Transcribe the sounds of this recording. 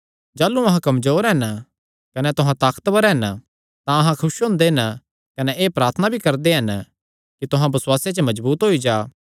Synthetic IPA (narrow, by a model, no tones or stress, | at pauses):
d͡ʒaːlːuɐɦãkɐmzoːɾɦɛn | kɐnɛt̪ʊɦãt̪aːkə̥t̪ʋəɾɦɛn | t̪ãɐɦãkʰʊʃɦõːnd̪eɦn | kɐnɛʔeːpɾaːɾt̪ʰənabʱikɐɾd̪eɦɐn | kit̪ʊɦãbɐswaːset͡ʃəmɐd͡ʒbuːt̪ɦoːid͡ʒaː